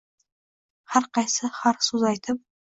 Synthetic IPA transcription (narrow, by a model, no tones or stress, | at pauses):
haɾqʰɑjsɪhaɾsuzajt̪ʰɪp̚